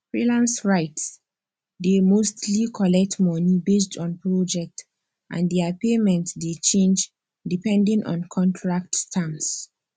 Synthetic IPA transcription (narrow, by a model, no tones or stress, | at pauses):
fɹilãnsɹaɪts | demostlikʰɔlɛk̚tmɔnibes̬tʰɔ̃npɹɔd͡ʒɛk̚t | ʔã̰ndiapemɛ̃ntsdet͡ʃẽnd͡ʒ | dipɛ̃ndĩŋʔɔ̰̃nkʰɔ̃ntʰɹak̚tstʰãms